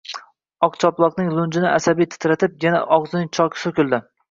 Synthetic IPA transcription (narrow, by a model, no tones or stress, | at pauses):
ɒqt͡ʃʰɒplˠɒqnɪŋlˠʊnd͡ʒɪnɪasabijt̪ʰɪ̥t̪ʰɾat̪ʰɪp̚jana̰ʔɒqzɪnɪŋt͡ʃʰɒkʲʰsɵkʲɪlˠd̪ɪ